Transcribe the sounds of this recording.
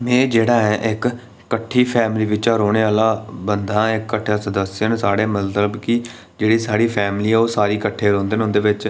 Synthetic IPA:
mɛ̃ːd͡ʒeːɽaːɛːʔɪkː | əʈʰːiːpʰɛːmliːʋɪt͡ʃaːɾoːɽ̃eːaːlaːbənd̪ãːɪkːəʈʰːjãːsəd̪əsjənːsaːɽeːmət̪ləbkɪ | d͡ʒeːɽiːsaːɽiːpʰɛːmliːɛːoːsaːɾiːkəʈʰːeːɾõːnd̪eːnɦʊːnd̪eːʋɪt͡ʃ

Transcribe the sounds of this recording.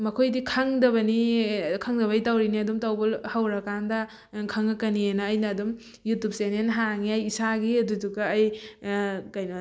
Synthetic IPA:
mɐkʰojdikʰaŋdɐbɐnikʰaŋdɐβɐjtawɾiniɐdumtawbɔlhawɾɐkandɐ | kʰaŋɐkɐnienɐːjnɐːdum | jutup̚senenɦaŋiɐjːsaɡiɐdudukɐːj | kajnɐ

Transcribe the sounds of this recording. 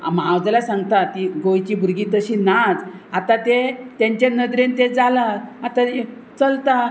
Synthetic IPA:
a̰mawd͡zlasãŋɡt̪at̪iɡojt͡ɕiːbʱuɾɡiːt̪əɕinad͡zat̪ãt̪et̪jãɲt͡ɕẽnəd̪ɾent̪ed͡zalaat̪ae | t͡səlt̪a

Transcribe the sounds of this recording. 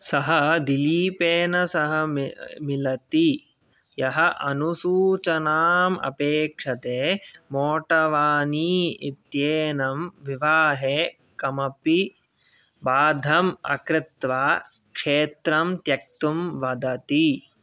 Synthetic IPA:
sɐɦɐd̪iliːpeːnɐsɐɦɐmilɐt̪i | jɐɦɐʔɐnusuːt͡ʃɐnaːmɐ̰peːkʂɐt̪eːmoːʈɐʋaːniːit̪jeːnɐmʋiʋaːɦeː | kɐmɐpi | baːd̪ʱɐmɐ̰kɾɪt̪ʋaː | kʂeːt̪ɾɐmt̪jɐk̚t̪umʋɐd̪ɐt̪i

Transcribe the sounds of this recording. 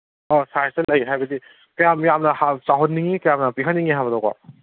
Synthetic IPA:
ɔsajsɐlajiɦajbɐdi | kɐjamjamnɐhat͡ʃaɦonːiŋikɐjamnɐpiɦʰanːiŋiɦaβɐdawka̰

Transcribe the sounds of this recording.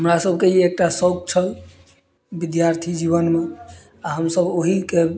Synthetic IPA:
ɦɦəmɾasəbʱkeiek̚ʈasək̚t͡ʃʰəl | bid̪jaɾt̪ʰid͡ʒiβənme | aɦəmsəboɦike

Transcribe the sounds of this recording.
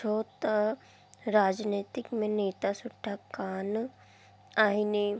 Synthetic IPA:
oːt̪a | ɾaːd͡ʒneːt̪ɪkmẽneːt̪asʊʈʰːakaːn | aːine

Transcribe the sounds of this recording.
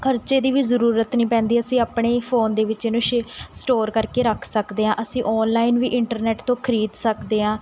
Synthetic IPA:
kʰəɾt͡ʃeːd̪iːʋiːzəɾuːɾət̪nĩːpɛ̃ːnd̪iːəsĩːaːpɳeːpʰoːnd̪eːʋɪt͡ʃenũʃsʈoːɾkəɾkeːɾəkʰsəkd̪eːɦãːʔəsĩːʔɔːnlaːiːnʋiːʔɪɳʈəɾnɛːʈt̪õːkʰəɾiːd̪səkd̪eːɦãː

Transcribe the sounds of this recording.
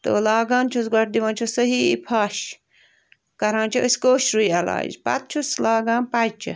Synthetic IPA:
t̪oːlaːɡaːnt͡ʃʰusɡɐʈ̚d̪iʋãːnt͡ʃʰusɐɦiːḭpʰaːʃ | kɐɾãːnt͡ʃʰɐəsʲkoːʃɾujɐla̰ːzpa̰t̪̚t͡ʃʰuslaːɡaːnpat͡ʃʰɐ̰

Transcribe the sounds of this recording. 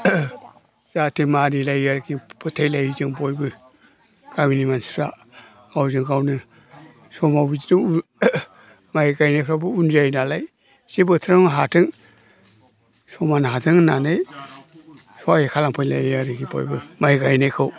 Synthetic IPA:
z̥atʰimaɾilajaɾkipʰɯtʰajlajizɯŋbojbɯ | ɡ̥aminimansɾa | awzɯŋɡawnɯ | sɔmawbizinɯ | majɡajnajpʰɾabɯunzajnalaj | sibɯtʰɾaŋɦatʰɯŋ | sɔmanaɦatɯŋna̰naj | sɔajikʰalaŋpʰɯjla̰jaɾiɡibɔ̰jbɯmajɡajnajkʰɯw

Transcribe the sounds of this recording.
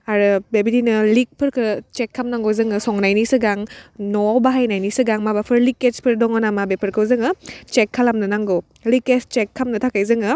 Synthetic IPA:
aɾɯbebidinɯlik̚pʰɯɾkʰɯt͡ʃekʰːamnaŋɡozɯŋɯsɔŋnajnisɯɡaŋnɔbaɦajnajnisɯɡaŋmabapʰɯɾlikespʰɯɾdɔŋɔnamabepʰɯɾkʰɯwzɯŋɯt͡ʃekʰːalamnɯnaŋɡo | likest͡ʃekʰːamnɯtʰakajzɯŋɯ

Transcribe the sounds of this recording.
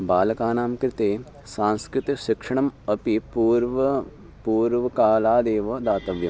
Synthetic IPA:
baːlɐkaːnaːmkɾɪt̪eː | sãːnskɾɪt̪ɐʃikʂɐɳɐmɐpipuːɾʋɐ | puːɾʋɐkaːlaːd̪eːʋɐd̪aːt̪ɐʋjɐm

